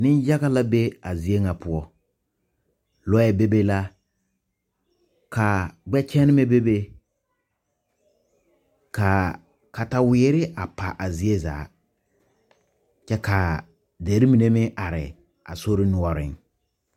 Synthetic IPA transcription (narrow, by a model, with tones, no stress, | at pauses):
nɪ˦nja˦ɣa˦la˦be˦a˨zi˦e˦ŋa˨pʊ˦ɔ˦ | lɔ˦ɛ˨be˦be˦la˦ | ka˨ɡ͡bɛ˦t͡ʃɛ˦nɪ˦mɛ˦be˦be˦ | ka˨ | ka˨ta˨wɪː˨˦ɾɪ˦ʔa˨pa˨ʔa˨zi˦e˦za̰ː˨˦ | t͡ʃɛ˦ka˨ | de˨ɾi˦mi˨ne˦mɪ˦ʔa˨ɾɪ̰˨ | a̰˨so˦ɾɪ˦nʊ˦ɔ˦ɾɪ̰˦˨ŋ